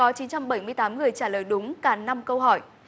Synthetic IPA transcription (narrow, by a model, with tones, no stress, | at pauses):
ɔ˨˦t͡ɕi˨˦nt͡ɕa˧mɓə˧˩jmɨ˧əjt̪aː˨˦mŋɨ˨˩əjt͡ɕaː˧˩ləː˨˩jɗʊ˨˦ŋ͡mkaː˧˩na˧mkə˧wɦɔ˧˩j